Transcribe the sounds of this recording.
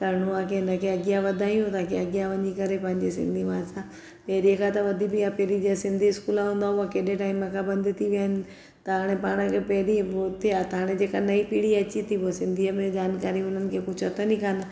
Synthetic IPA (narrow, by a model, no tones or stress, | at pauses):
kɐɾɽ̃uãkʰeɪnəkʰeɐɡijãʋɐd̪ʱaːijũt̪aːkʰeɐɠijaʋɐ̃ɲikɐɾepɐ̃ɦɪ̃ɲd͡ʑesɪ̰̃nd̪ʱimãːsã | pɐɦɾiəkʰãt̪ɐʋɐd̪ʱibɪjapɐɦɾid͡ʑasɪ̃nd̪ʱiɪskuːlaɦũːn̆d̪aɦuakeːɗẽʈaːɪmə̃kʰãbɐ̃nd̪ʱt̪ʰiʋijaːnɪ̆ | t̪ɐɦaːɽ̃ẽpaːɽ̃əkʰepɐɦɾioːt̪ʰiaːt̪ɐɦaːɽ̃ẽd͡ʑeːkanɐipiːɽiɐt͡ɕit̪ʰibosɪ̃nd̪ʱiəmẽd͡ʑaːnkaːɾiʊn̤ənɪ̆kʰekʊd͡ʑʰʱɐt̪ʰənĩkʰaːnɪ